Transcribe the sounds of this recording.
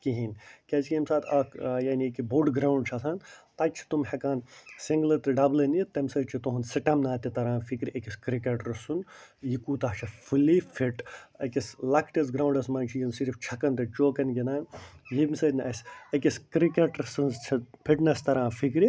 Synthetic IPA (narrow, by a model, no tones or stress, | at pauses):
kiɦinʲkʲɐt͡ʃkʲimsaːt̪ʰɐjaːnikiboɖɡɾawɳɖ̚t͡ʃʰɐsaːnt̪ɐt͡ʃʰi̥t̪umhɐkaːnsiŋɡlɐt̪ɨɖɐblɐnit̪ɐmʲsɐːt͡ʃʰit̪oɦunsɐʈɐmnaːt̪it̪ɐɾãːfʰikɾiʔɐkiskɾikeʈɾɐsunjikuːt̪ɐɦt͡ʃʰɐfʰulifʰiʈɐkɐslɐkʰʈɐsɡɾawɳɖɐsmɐnt͡ʃʰijimsiɾift͡ʃʰɐkɐnt̪ɐt͡ʃoːkɐnɡʲinaːnjimʲsɐd͡ʒnɐɐsʲɐkʲiskɾikeʈɾɐsɨnt͡ʃʰɐpʰiʈnɐst̪ɐɾãːfʰik̬ɾi